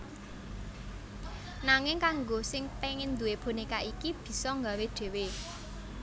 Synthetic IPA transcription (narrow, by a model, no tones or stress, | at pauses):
naŋɪŋkaŋɡosɪŋpeŋɪnd̪uweb̥onikaʔikib̥i̤sɔŋɡa̤weɖ̥e̤we